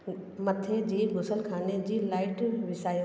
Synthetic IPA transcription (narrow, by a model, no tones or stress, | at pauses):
mət̪ʰed͡ʑiːɡʱʊsəlkʰaːned͡ʑiːlaːɪʈʋɪsaːi